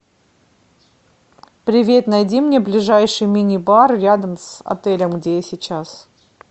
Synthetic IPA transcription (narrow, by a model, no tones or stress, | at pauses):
pɾʲɪvʲe̞t̪nɐjdʲimnʲe̞blʲɪʐajʂɨjmʲinʲɪbarɾʲad̪əmsɐ̰t̪ɛlʲəmɡdʲejasʲɪt͡ɕas